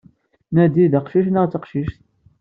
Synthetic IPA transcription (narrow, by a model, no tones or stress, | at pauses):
næd̪iðəqʃiʃnəʁt͡sːəqʃiʃt̪